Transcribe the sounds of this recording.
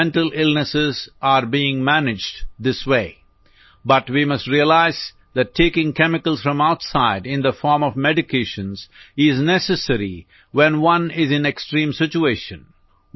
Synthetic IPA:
ɛ̃nʈəlɪlnəsɪzaɾbiːɪ̃ŋmænɪd͡ʒdd̪ɪsweː | bʌʈwimʌsʈɾiəlaɪz | ðæʈʰːeːkɪ̃ŋkɛmɪkəlˠsfɾʌ̃maʊtsaɪɖɪ̃nd̪əfɔːɾmɔvmɛɖɪkʰeɪʃə̃nzɪznɛsɨsəɾi | wɛ̃nwʌ̃nɪzɨ̃neksʈɾĩːmsɪt͡ʃueːʃə̰̃n

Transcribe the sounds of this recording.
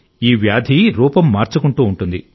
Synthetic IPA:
iːʋjaːd̪ʱiɾuːpɐmːaːɾt͡ʃukuɳʈuːuɳʈund̪ḭ

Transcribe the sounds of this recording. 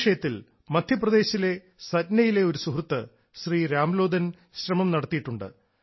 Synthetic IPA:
ʂɐjɐt̪ːil | mɐd̪ʱjɐprɐd̪e̞ːɕile̞ | sɐdnɐjile̞o̞ɾusuɦrt̪ːɨ | ɕriːɾaːmlo̞ːd̪ʱɐn | ɕrɐmɐmnɐɽɐt̪ːijiʈːuɳɖɨ̰

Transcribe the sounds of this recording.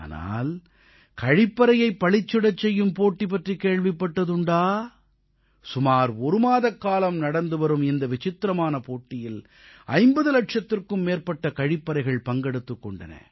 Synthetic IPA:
a̰ːna̰ːl | kɐɻɪpːɐɾɐjɐɪpːɐɭɪt͡ʃːɯɽɐt͡ʃːɛjːɯmpoːʈːip̬ɐʈrikeːɻʋɪpːɐʈːɐðɯɳɖaː | sʊmaːɾɔɾɯmaːðɐkːaːlɐmnɐɽɐnd̪ɯʋɐɾɯmɪnd̪ɐʋɪt͡ʃɪt̪ːɾɐmaːnɐpoːʈːɪjɪl | ɐ̰ɪmbɐðɯlɐʈ̚ʂɐt̪ːɪrkɯmːeːɾpɐʈːɐkɐɻɪpːɐɾɐɪɣɐɭpɐŋɡɛɽɯt̪ːɯkːɔɳɖɐnɐ̰

